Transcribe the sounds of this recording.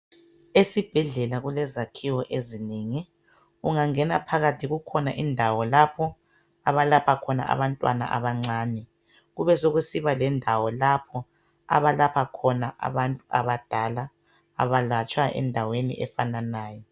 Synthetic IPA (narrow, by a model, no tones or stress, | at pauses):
esib̥ʱɛɮɛlaɣulɛzakʰiwɔʔezineːŋi | uŋaŋɛnapʰaɣatʰiɣukʰɔnaʔindʱawɔlapʰɔ | aβalapʰakʰɔna̰ʔa̰βantʼwana̰ʔa̰βaŋ͡ǀaːnɛ | ɣuβɛsoɣusiβalɛndʱawɔlapʰɔ | a̰βalapʰakʰɔnaʔa̰βantʼua̰βad̥ʱalaː | βalat͡ʃʼwaʔɛ̰ndʱawenḭʔɛfananaːjɔ